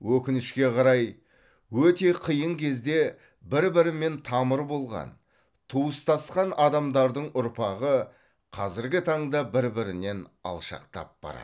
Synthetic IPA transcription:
wɵkʲɪnɪʃkʲe̞qʰɑɾɑj | wɵt̪e̞qʰijəɴkʲʰe̞zd̪e̞ | bɪɾbɪɾɪme̞nt̪ʰɑməɾbo̞lˠʁɑ̰n | t̪ʰuəst̪ɑsqɑnɑd̪ɑmd̪ɑɾd̪əɴʔʊɾpɑʁə | qʰɑzɪɾɡʲɪt̪ʰɑɴd̪ɑbɪɾbɪɾɪne̞nɑ̰lˠʃɑ̰qt̪ɑ̰p̚b̥ɑ̰ɾɑ̰d̪

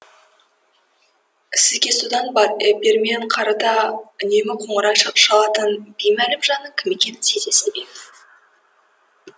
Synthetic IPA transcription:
sɪzɡʲe̞sud̪ɑnbɑɾebʲe̞ɾme̞ɴqʰɑɾɑt̪ɑʏnemɪqʰoɴəɾɑʃəqʃɑlˠɑt̪ənb̥ijmælɪmʒɑnəkʲʰɪme̞kʲe̞nt̪ʰezeseb̪ejmɪz

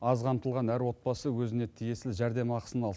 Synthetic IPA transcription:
ɑzqʰɑmt̪əlˠʁɑnæɾwo̞t̪̚bɑsəwɵzɪne̞t̪ʰije̞sɪlʒæɾd̪e̞mɑqə̥sənɑlˠ

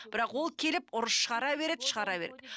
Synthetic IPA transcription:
b̥ɪɾɑqwo̞lˠkʲʰe̞lɪpʊɾəsʃəʁɑɾɑbe̞ɾed̪ɪʃəʁɑɾɑbe̞ɾed̪̥ɪ

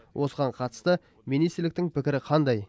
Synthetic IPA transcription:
wʔosəʁɑɴqʰɑt̪ə̥st̪ə | minijst̪ɾlɪk̚t̪ɪŋpʰɪkʲɪɾɪqʰɑnd̪ɑj

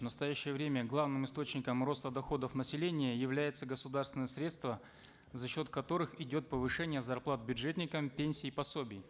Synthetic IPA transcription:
vnəst̪ɐjæɕːɪjəvɾʲemʲəɡlˠavnɨmɨst̪o̞t͡ɕnʲɪkəmro̞st̪əd̪ɐxo̞d̪əfnəsʲɪlʲenʲɪjəjɪvlʲæjɪt̪səɡəsʊd̪arst̪vʲɪnəjəsɾʲe̞t̪st̪və | zɐɕːo̞t̪kɐt̪o̞ɾɨxɪdʲo̞t̪̚pəvɨʂɛnʲɪjəzɐrplˠat̪̚bʲʊdʐet̪ʲnʲɪkəmpʲenʲsʲɪːpɐsobʲɪj

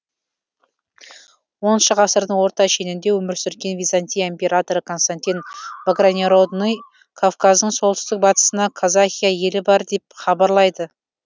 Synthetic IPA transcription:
wo̞nʃəʁɑsəɾd̪əɴwo̞ɾt̪ɑʃe̞nɪnd̪e̞wɵmɪɾsʏɾkʲe̞nvʲijzanʲt̪ʲijimpʲe̞ɾat̪o̞ɾəkʰo̞nst̪anʲt̪ʲinvaɡranʲeɾod̪noj | kʰovkazd̪əɴso̞lˠt̪ə̥st̪ɪk̚bɑt̪ə̥sənɑkʰazaxʲijaje̞lɪbɑɾd̪e̞p̚χɑbɑɾlˠɑjd̪ə

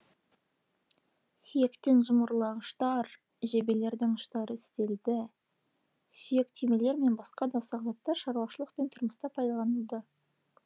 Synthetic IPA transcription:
sije̞kt̪e̞nʒʊməɾlˠɑʁəʃt̪ɑɾ | ʒe̞be̞le̞ɾd̪ɪŋəʃt̪ɑɾəɪst̪e̞ld̪ɪ | sije̞kt̪ʰime̞le̞ɾme̞nbɑsqɑd̪ɑsɑʁɑt̪ːɑʃɑɾuwɑʃəlˠəqpe̞nt̪ʰʊɾməst̪ɑpʰɑjd̪ɑlˠɑnəlˠd̪ə

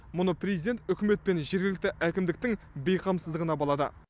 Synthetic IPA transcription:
mʊnəprʲezid̪e̞nt̪ʏkʲɪme̞t̪̚pe̞nʒe̞ɾɡʲɪlɪk̚t̪ɪʔækʲɪmd̪ɪk̚t̪ɪŋ | bejqʰɑmsəzd̪əʁənɑbɑlˠɑd̪ə̰

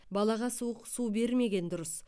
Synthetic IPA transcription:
bɑlˠɑʁɑsuəqsuwbe̞ɾme̞ɡʲe̞nd̪ʊɾəs

